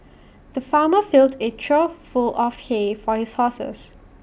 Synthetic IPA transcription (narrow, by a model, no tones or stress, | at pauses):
d̪̥əfaːməfɪldetʰɹəfulʔɔfhefɔhishɔsə̰s